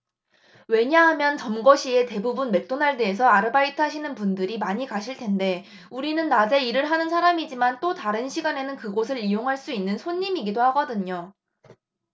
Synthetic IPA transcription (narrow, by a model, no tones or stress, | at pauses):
we̞ɲaɦamjʌnt͡ɕʌmɡʌɕʰie̞te̞bubunme̞k̚t͈onaɭde̞ːs̬ʰʌaɾɯbaitʰaɕʰinɯnpundɯɾimaɲikaɕʰiɭtʰe̞nde̞ | uɾinɯnːad͡ʑe̞iɾɯɭɦanɯnsʰaɾamid͡ʑimant͈otaɾɯnɕʰiɡane̞nɯnkɯɡosʰɯɾijoŋɦaɭs͈uinːɯnsʰoɲːimiɡidohaɡʌdɯɲo